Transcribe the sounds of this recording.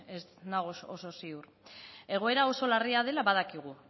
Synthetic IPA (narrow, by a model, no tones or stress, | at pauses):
esnaɣososo̞siur | e̞ɣ̞o̞e̞ɾao̞so̞lariað̞e̞laβaðakiɣ̞u